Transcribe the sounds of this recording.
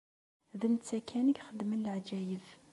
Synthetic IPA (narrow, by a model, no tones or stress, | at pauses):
ðənt͡sːækʰænəɡχəd̪mənələʕd͡ʒæjəv